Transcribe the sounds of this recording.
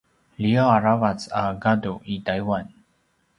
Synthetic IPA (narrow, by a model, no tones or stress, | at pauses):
liaaɹavatsaɡaduʔĩtajwãn